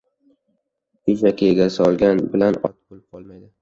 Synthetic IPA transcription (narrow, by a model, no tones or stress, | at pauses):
jʊzakʲajeɡʲasɪɒlˠɡʲanbɪlanɒ̰t̪̚bolɪp̚qʰɒlˠmajd̪ɪ